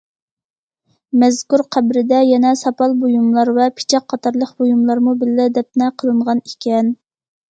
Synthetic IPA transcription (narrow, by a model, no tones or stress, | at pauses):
mɛzkʲuɾqʰæbɾɪd̪ɛjɛnɛsɑpɑlˠbojumlˠɑɾvɛpʰɪ̥t͡ʃʰɛqʰːɑt̪ʰɑɾlˠəqbojumlˠɑɾmubɪlːɪd̪ɛp̚nɛqʰəlˠɨɴʁɑnikʲɛn